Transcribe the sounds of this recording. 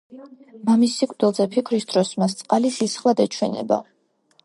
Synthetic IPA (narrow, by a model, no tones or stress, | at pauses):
mamisːikʼɾd̪ilˠzɛpʰikʰɾisd̪ɾɔsmas̬t̪sʼqʼalisisχlˠad̪ɛt͡ʃʰwɛnɛ̰ba̰